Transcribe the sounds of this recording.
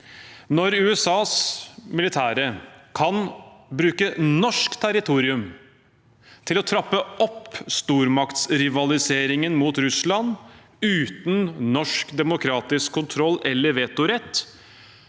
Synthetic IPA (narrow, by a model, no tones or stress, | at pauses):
nɔɾʉːɛsɑːsmɪlɪt̪ʰæːɾəkʰɑnbɾʉːkənɔʂkt̪ʰæɾɪt̪ʰuːɾɪʉm | t̪ʰɪlɔt̪ʰɾɑpːəɔpst̪uːɾmɑkt̪sɾɪʋɑlɪseːɾɪŋənmuːt̪ɾʉslɑn | ʉːt̪n̩nɔʂkd̪ɛmʊkʰɾɑːt̪ɪskʰːʊnt̪ʰɾɔlːʔɛlːəɾʋeːt̪ʊɾɛt̪ː